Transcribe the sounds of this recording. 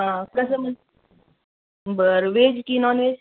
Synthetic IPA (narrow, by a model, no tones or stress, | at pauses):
apɾɐsəmən | bəɾʋed͡ʒkinɔːnʋed͡ʒ